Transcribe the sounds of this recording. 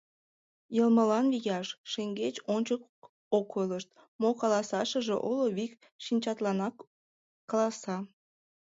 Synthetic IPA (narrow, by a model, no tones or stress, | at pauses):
jəlməlɑnβijɑʃʃeŋɡet͡ɕonʲt͡ɕək | okʰoləʃt̪̚ | mokɑlɑsɑʃəʒeʔoloβik | ʃinʲt͡ɕɑt̪lɑnɑkː | ɑlɑsɑ